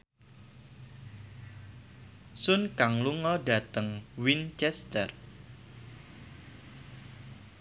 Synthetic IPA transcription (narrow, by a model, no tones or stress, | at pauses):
sʊnkaŋluŋɔda̤t̪əŋwint͡ʃɛst̪ər